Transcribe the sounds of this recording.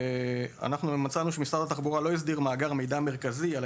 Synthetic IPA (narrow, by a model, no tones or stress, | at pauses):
a̰naχnumat͡sanuʃemisad̪at̪aχbuʁalo̞is̬d̪iʁmaːɡaʁme̞jdame̞ʁkazial